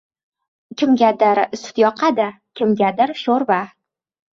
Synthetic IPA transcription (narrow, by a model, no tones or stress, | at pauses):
kʲɪmɡʲad̪ɪɾsɪ̥t̪jɒqʰad̪a | kʲʰɪmɡʲad̪ɪɾʃoɾva